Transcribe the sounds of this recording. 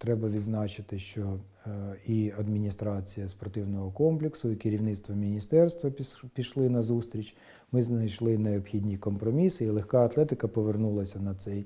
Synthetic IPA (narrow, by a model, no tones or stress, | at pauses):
t̪ɾɛbɐʋʲid̪znɑt͡ʃɪt̪ɪʃt͡ʃɔ | iɐd̪mʲinʲist̪ɾɑt͡sʲijɐspɔrt̪ɪwnɔɦɔkɔmplʲɪksʊikɪɾʲiwnɪt̪st̪ʋɐmʲinʲist̪ɛrst̪ʋɐpʲiʃlˠɪnɐzust̪ʲɾʲit͡ʃʲ | mɪznɐjʃlˠɪneɔbxʲidʲnʲikɔmpɾɔmʲisɪilˠexkɑɐt̪lˠɛt̪ɪkɐpɔʋernulˠɐsʲɐnɐt̪sɛj